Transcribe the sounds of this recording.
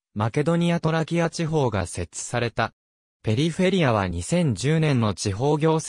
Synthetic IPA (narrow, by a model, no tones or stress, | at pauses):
make̞d̪o̞ɲ̟iat̪o̞ɾakʲiat͡ɕiɦo̞ːɡa̰se̞t͡sɨ̥saɾe̞t̪a | pe̞ɾʲiɸe̞ɾʲiaβ̞a̰ɲ̟isẽ̞ɲ̟d͡ʑɨːnẽnːo̞t͡ɕiɦo̞ːɡʲo̞ːs